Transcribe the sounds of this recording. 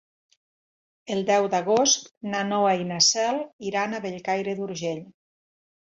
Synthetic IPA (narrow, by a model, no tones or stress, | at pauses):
elˠd̪ɛwd̪aɣost̪nanɔwainasɛliɾanaβeʎkajɾeðuɾʒeʎ